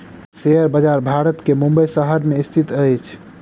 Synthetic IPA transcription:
seəɾbəd͡ʒaɾbʱaɾət̪kemũmbəjsəɦəɾmeist̪ʰit̪əjt͡ʃʰ

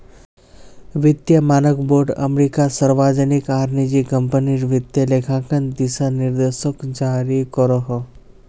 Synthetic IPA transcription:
ʋit̪jəmanəkboɾɖə̰mɾikasəɾʋad͡ʒənikaɾnid͡ʑikəmpəniɾʋit̪jəlekʰãkənd̪isaniɾd̪eʃəkd͡ʑaɾikɔɾɔɦɔ

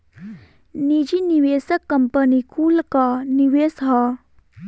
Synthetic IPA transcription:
nid͡ʒiniʋeːsəkːəmpənikʰuːlkaniʋeːsɦa

